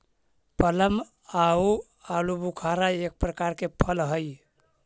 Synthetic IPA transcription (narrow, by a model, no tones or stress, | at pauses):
pələm | au | alubukʰaɾaek̚pɾəkaɾkepʰəlɦəj